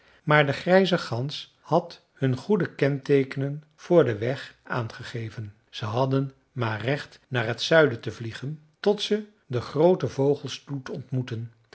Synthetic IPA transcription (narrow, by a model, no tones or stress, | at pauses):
maːɹdəχrɛjzəχɑns | hɑt | hɵnχudəkɛntejkənən | v̥ʊːɹdəʋɛχʔa̰ːnχəχejvən | z̥əɦɑdən | maːrɛχtnaːɹɦətsœɥdətəvliχən | tɔtsə | dəχrowtəvowχəlˠstutɔntmutən